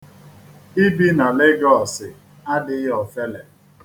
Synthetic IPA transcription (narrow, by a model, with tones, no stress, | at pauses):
i˦bi˦na˨lɪ˦ɡɔ˨sɪ˨ | a˦dɪ˦ɪ˦ɦɔ˨fe˦le˨